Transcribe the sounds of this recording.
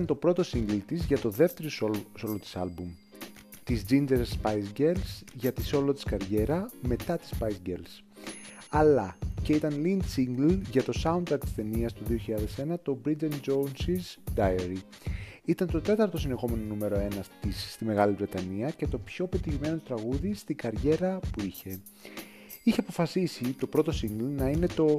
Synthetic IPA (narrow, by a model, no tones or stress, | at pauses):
ɐnt̪o̞pɾo̞t̪o̞siŋɡlit̪izʝɐt̪o̞ðe̞ft̪e̞ɾososolot̪i̥sɐlbum | t̪izd͡zind͡ʒeɾsspɐjzɟelsʝɐt̪iso̞lot̪i̥skɐɾʝe̞ɾɐme̞t̪ɐt̪i̥spɐjsɟels | ɐlɐce̞it̪ɐnlind̪siŋɡlʝɐt̪o̞sɐunt̪ɾɐk̚t̪i̥sθe̞niɐst̪uðio̞çiʎɐðe̞se̞nɐt̪o̞bɾid͡zɐnd͡ʒonsizd̪ɐjɐɾi | it̪ɐnt̪o̞t̪e̞t̪ɐɾt̪o̞sine̞xo̞me̞no̞nume̞ɾo̞e̞nɐt̪isːt̪ime̞ɣɐlivɾe̞t̪ɐniɐce̞t̪o̞pço̞pe̞t̪içime̞nout̪ɾɐɣuðist̪iɡɐɾʝe̞ɾɐpuiçe̞ | içeɐpo̞fɐsisit̪o̞pɾo̞t̪o̞siŋɡlnɐine̞t̪o̞